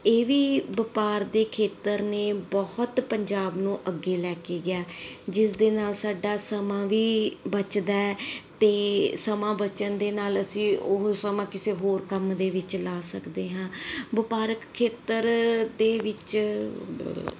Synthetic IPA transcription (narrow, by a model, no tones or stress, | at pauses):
eːʋiːbəpaːɾd̪eːkʰeːt̪əɾneːbɔət̪pəɲd͡ʒaːbnũːʔəɡːeːlɛːkeːɡɪaːd͡ʒɪsd̪eːnaːlsaːɖaːsəmãːʋiːbət͡ʃd̪aːɛːt̪eːsəmãːbət͡ʃənd̪eːnaːləsĩːosəmãːkɪseːɦoːɾkəmd̪eːʋɪt͡ʃlaːsəkd̪eːɦãːbəpaːɾəkkʰːeːt̪əɾd̪eːʋɪt͡ʃ